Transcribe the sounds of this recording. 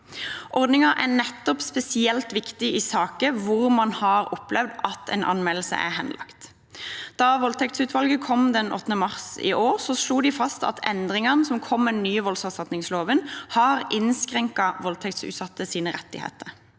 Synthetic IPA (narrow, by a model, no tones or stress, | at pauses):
ʔɔɾd̪nɪŋɑʔæʁnɛt̪ːɔpspɛsɪɛlt̪ʋɪkt̪ɪɪsɑːkəʋʊʁmɑnhɑʁɔplɛʋd̪ɑt̪ʰɛ̰nʔɑ̰nmɛll̩sə̰ʔæ̰ɦɛnlʔɑ̰kt̪ | d̪̥ɑʋɔlt̪ʰɛkt̪sʉːt̪ʰʋɑlɡəkʰɔmd̪ɛnʔɔ̰t̪ːnəmɑʁsɪ̰ʔoːʁsɔsluːd̪ɪfɑst̪ɑ̰t̪ʰɛ̰nd̪ʁɪŋɑnəsɔmkʰɔmːɛnːyːəʋɔlsɑsɑt̪nɪŋsloːʋənhɑʁʔɪnskʁɛŋkɑʋɔlt̪ʰɛk̚t̪sʉ̰ːt̪sɑt̪ːəsiːnəʁɛt̪ːɪ̰hḛːt̪əɾ